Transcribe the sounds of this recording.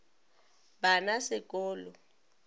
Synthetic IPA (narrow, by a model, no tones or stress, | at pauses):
banasɪkʼɔːlɔ